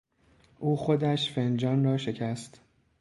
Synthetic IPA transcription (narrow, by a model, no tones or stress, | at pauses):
ʔuːxo̞d̪æʃfe̞nd͡ʒɒːnrɒːʃe̞cʰæst̪